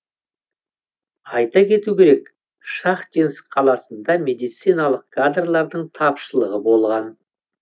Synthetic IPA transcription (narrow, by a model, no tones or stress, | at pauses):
ɑjt̪ɑkʲʰe̞t̪ukʲe̞ɾek | ʃɑqt̪ensqʰɑlˠɑsənd̪ɑme̞d̪ijt̪sijnalˠəqkʰad̪rlˠɑɾd̪əɴt̪ʰɑpʃəlˠəʁəbo̞lˠʁɑn